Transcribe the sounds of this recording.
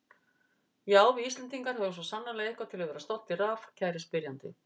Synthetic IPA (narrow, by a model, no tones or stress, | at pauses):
jaːwviist̪lɛnt̪iŋkaɾ̥hɛðʏms̬vɔsanːalɛɣɪhkvat̪ʰɪlaðvɛːɾast̪ɔwlt̪ɪɾafcʰaːjɾɪspɪɾjant̪ɪ̰